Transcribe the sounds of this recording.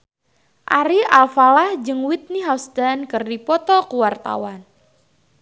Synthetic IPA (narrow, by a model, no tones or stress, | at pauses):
ʔaɾialfalahd͡ʒɨŋwit̪̚niɦawst̪ankɨrdipɔt̪ɔkuwart̪a̰wan